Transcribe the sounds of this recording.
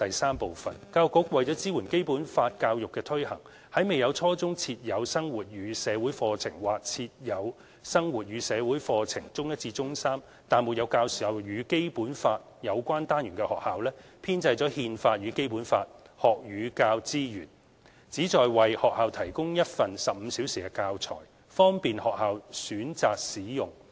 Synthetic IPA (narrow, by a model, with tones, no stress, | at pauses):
t̪ɐ˨jsaː˥mpo˨wfɐ˨˩nkaː˧wkʊ˨˥k̚wɐ˨jt͡sɔː˨˥t͡siː˥wuː˨˩nke˥jpuː˨˥nfaː˧t̚kaː˧wjʊ˨kːɛː˧t̪ʰɵ˥ɥhɐ˨˩ŋ | hɐ˨˥jme˨˩jɐ˨˧wt͡sʰɔː˥t͡sʊ˥ŋt͡sʰiː˧t̚jɐ˨˧wsɐ˥ŋwuː˨t̚jyː˨˧sɛː˨˧wuː˨˥jfɔː˧t͡sʰɪ̰˨˩ŋwaː˨k̚t͡sʰiː˧t̚jɐ˨˧w | sɐ˥ŋwuː˨t̚jɥyː˨˧sɛː˨˧wuː˨˥jfɔː˧t͡sʰɪ̰˨˩ŋt͡sʊ˥ŋjɐ˥t̚t͡sʰiː˧t͡sʊ˥ŋsaː˥m | t̪aː˨nmu˨t̚jɐ˨˧wkaː˧wsiː˨ɐ˨˩wjyː˨˧ke˥jpuː˨˥nfaː˧t̚jɐ˨˧wkʷaː˥nt̪aː˥njyː˨˩kɛ˧hɔ̰ː˨k̚haː˨˧wlɛː˥ | pʰiː˥nt͡sɐ˧jt͡sɔː˨˥hiː˧nfaː˧t̚jyː˨˧ke˥jpuː˨˥nfaː˧t̚ | hɔː˨k̚jyː˨˧kaː˧wt͡siː˥jyː˨˩n | t͡siː˨˥t͡sɔː˨jwɐ˨jhɔː˨k̚haː˨˧wt̪ʰɐ˨˩jkʊ˥ŋjɐ˥t̚fɐ˨nsɐ˨p̚m̩˨˧˦siː˨˥wsiː˨kɛ˧kaː˧wt͡sʰɔ̰ː˨˩j | fɔː˥ŋpiː˨nhɔː˨k̚haː˨wsyː˨˥nt͡saː˨k̚siː˨˥jʊ˨ŋ